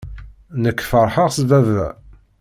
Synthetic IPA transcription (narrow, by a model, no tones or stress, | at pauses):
nəkːfəɾˤħəʁsvævæ̰